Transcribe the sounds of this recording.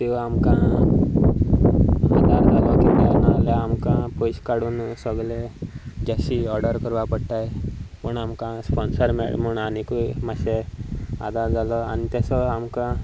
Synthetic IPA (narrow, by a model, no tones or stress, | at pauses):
k̪eʋaamkã | ad̪ʱaɾd͡zʱalɔkit̪ajnaleamkãpojɕkaɽuːnsəɡled͡ʑaɕiɔɾɖəɾkəɾʋapəɽt̪ajpəɳamkãspɔnsəɾmḛɭmuɳanikujmaɕea̰d̪ʱaɾd͡zalɔa̰nit̪jasɔamkã